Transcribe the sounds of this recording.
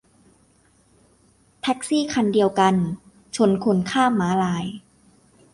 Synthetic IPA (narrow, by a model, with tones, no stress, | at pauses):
t̪ʰɛ˦˥k̚siː˥˩kʰa˧ndi˧əwka˧n | t͡ɕʰo˧nkʰo˧nkʰaː˥˩mːaː˨˦˥laː˧j